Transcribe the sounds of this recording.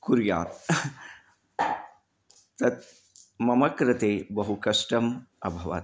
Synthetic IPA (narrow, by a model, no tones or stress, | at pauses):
kuɾja̰ːt̪ | t̪ɐt̪̚ | mɐmɐkɾɐt̪eːbɐɦukɐʂʈɐmɐbʱɐʋa̰t̪